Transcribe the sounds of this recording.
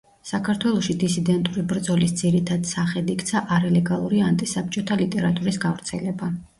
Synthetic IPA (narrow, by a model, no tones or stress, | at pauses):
sakʰaɾt̪ʰwɛlˠɔʃid̪isid̪ɛnt̪ʼuɾibɾd̪zɔlisd̪ziɾit̪ʰad̪̥saχɛd̪ikʰt̪sʰaʔaɾalɛɡalˠuɾiant̪ʼisap̚t͡ʃʼɔt̪ʰalit̪ʼɛɾat̪ʼuɾisɡavɾt̪sʰɛlɛba